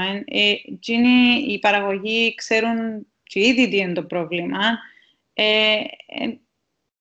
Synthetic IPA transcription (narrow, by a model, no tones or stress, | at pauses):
enet͡ʃiniipɐɾɐɣo̞ʝikse̞ɾun | t͡ʃiiðid̪ient̪o̞pɾovlimɐ | ḛ